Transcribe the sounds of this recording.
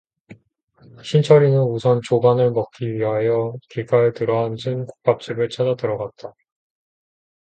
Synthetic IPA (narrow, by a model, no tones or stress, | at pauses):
ɕʰint͡ɕʰʌɾinɯnusʰʌnt͡ɕoɡanɯɭmʌk̚k͈iɥiɦajʌkiɡaɯtɯɾʌɦand͡ʑʰɯnku̥k̚p͈ap̚t͡ɕ͈ibɯɭt͡ɕʰadadɯɾʌɡat̚t͈a